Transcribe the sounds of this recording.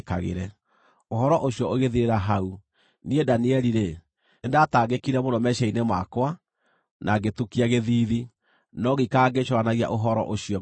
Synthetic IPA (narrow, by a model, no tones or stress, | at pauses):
kaɣḛɾɛ | oɦɔɾɔʔoɕjɔoɣeðiɾeɾaɦau | niedaniɛɾiɾe | endataːɣekiɾɛmondɔmɛʃainemakwa | nʔaɡetukiaɣeðiːði | nɔɣikaɡeʃwanaɣia̰ʔoɦɔɾɔ̰ʔoɕiɔ